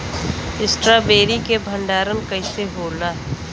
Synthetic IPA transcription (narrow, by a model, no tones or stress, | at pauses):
ɪsʈɾaːbeːɾikebʱə̃ɳɖaːɾənkɐɪseɦoːlaː